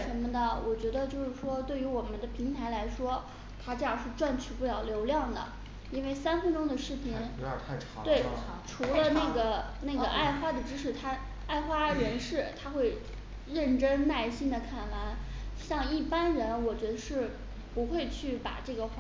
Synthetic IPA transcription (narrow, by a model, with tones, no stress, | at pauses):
ʂə˧˥nmə˧d̪ə˨wʔɔ˨˩t͡ɕɥɛ˧˥d̪ə˧t͡ɕjo˥˧ʊʂɻ̩˥˩ʂwɔ˥t̪we˥˩ɪy˧˥wɔ˨˩mə˦nd̪ə˧pʰi˧˥ŋt̪ʰa˧˥ɪla˧˥ɪʂwɔ˥ | t̪ʰa˥ʈ͡ʂɤ˥˧jɑ˥˧ŋʂɻ̩˥˧ʈ͡ʂwa˥˧nt͡ɕʰy˥˩pu˥˩ljɑ˨˩ʊljo˧˥ʊljɑ˥˩ŋd̪ə̰˩ | i˥nwe˥˩ɪsa˥nfə˥˧nʈ͡ʂʊ˥ŋd̪ə˨ʂɻ̩˥˩pʰi˧˥nt̪ʰ | t̪we˥˩ɪʈ͡ʂʰu˧˥lə˧na˥˩ɡə˩na˥˩ɡə˩ʔa˥˩ɪxwa˥d̪ə˨ʈ͡ʂɻ̩˥ʂɻ̩˥˩t̪ʰa˥ | a˥˩ɪxwa˥ɻə˧˥nʂɻ̩˥˩t̪ʰa˥xwe˥˧ɪ | ɻə˥˩nʈ͡ʂə˥nna˥˩ɪɕi˥nd̪ə˨˩kʰa˥˩nwa˧˥nɕjɑ˥˧ŋi˥˩pa˥nɻə˧˥nwɔ˨˩t͡ɕɥɛ˧˥d̪ə˧ʂɻ̩˥˩ | pu˧˥xwe˥˧ɪt͡ɕʰy˥˩pa̰˨˩ʈ͡ʂɤ˥˩ɡə˩x